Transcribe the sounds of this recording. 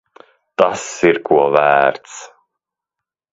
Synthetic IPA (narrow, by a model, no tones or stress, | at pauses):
t̪asiɾkuɔvæːɾt̪s